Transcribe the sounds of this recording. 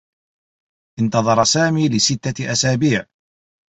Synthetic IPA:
ʔɪnt̪ɑðˤɑɾˤɑsaːmiːlɪsɪt̪ːaʔasaːbiːʕ

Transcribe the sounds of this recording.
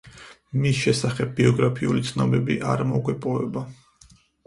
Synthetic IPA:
misʃɛsaχɛb̚ːiɔɡɾapʰiulit̪sʰnɔbɛbḭʔaɾmɔɡwɛpʼɔvɛba

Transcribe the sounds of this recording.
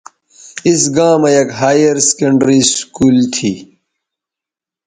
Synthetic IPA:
isɡãːmejɐkɦaːjɐɾse̥kɐɳɖɾiskuːlt̪ʰiː

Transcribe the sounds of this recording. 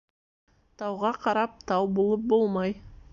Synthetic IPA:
t̪ʰɑwʁɑqʰɑɾɑp̚t̪ʰɑwbolˠəp̚bo̞lˠmɑj

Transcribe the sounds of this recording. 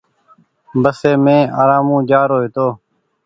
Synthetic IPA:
bəseːmẽːa̰ːɾaːmũːd͡ʒaːɾoːeːt̪oː

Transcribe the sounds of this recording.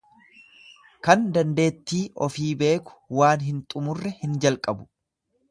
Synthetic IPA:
kɐnd̪ɐnd̪e̞ːt̪ːiːʔɔfiːbe̞ːkʊ̥waːnɦɪnt̪ʼʊmʊrːɛhɪnd͡ʒɐlkʼɐbʊ̥

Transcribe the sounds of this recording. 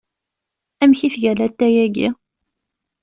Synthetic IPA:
æmçifʝælæt̪ːæjæɡḭ

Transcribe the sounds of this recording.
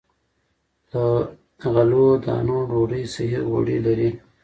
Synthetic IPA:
d̪̥ə | ɣalod̪ɑ̰ːnoɖoɾəjsiɦiɣo̰ɽḭlaɾi

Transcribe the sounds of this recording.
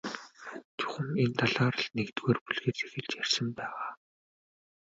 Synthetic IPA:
t͡ɕʰʊ̥xɘ̆ment̪ʰaɮaːɾə̆ɮnekt̪ɣeːrpuɮɣeːt͡sexɘ̆ɮt͡ɕjærʲsə̆mpæːʁaː

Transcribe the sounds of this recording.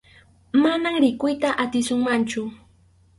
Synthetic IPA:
manaŋɾɪkʊjt̪aʔat̪ɪsʊŋmant͡ʃʊ

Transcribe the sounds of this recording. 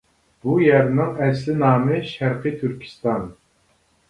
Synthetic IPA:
b̥ujæɾnɪŋɛslɪnɑːmɨʃæɾqɨt̪ʰyɾkʲʰi̥st̪ɑn

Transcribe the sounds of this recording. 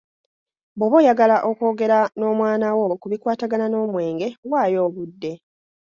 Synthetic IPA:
boβo̞ːjaɡalaʔoko̞ːɡe̞ɾano̞ːmwaːnawokuβikwaːtaɡanano̞ːmwe̞ːŋɡe̞waːjo̞ːβudːe̞

